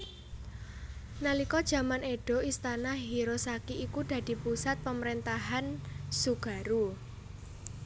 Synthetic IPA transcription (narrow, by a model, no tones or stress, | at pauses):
nalikɔd̥ʒ̥ä̤maneɖ̥o̤ist̪anaɦiɾosakiikud̥ä̤d̪̥i̤pusat̪̚pəməɾent̪aɦansuɡ̥ä̤ɾu